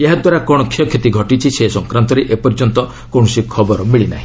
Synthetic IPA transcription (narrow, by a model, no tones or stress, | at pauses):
eɦad̪waɾakɔɽ̃ɔkʰjɔkʰet̪iɡʱɔʈit͡ʃʰisesɔŋkɾant̪ɔɾeʔepɔɾd͡ʒɔnt̪ɔ | kõɔsikʰɔbɔɾɔmiɭina̰ɦĩ